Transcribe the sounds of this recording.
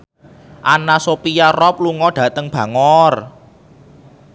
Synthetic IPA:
ʔanasopijarɔp̚luŋɔɖ̥ä̤t̪əŋb̥ä̤ŋɔr

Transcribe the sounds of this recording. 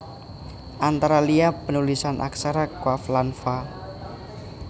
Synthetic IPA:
ʔant̪aɾaliapənulisanʔa̰ksaɾakwaflanfa

